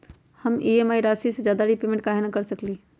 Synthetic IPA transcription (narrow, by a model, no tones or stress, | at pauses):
hɐmʔiːeːmaːiɾaːsisezjaːd̪aɾipeːmẽɳʈ̚kaɦenakɐɾsɐkliː